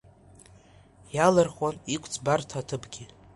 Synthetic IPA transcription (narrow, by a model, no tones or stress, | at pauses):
jalarχwanikʷʰʼt͡sʰʼbartʰatʰɨbɡʲi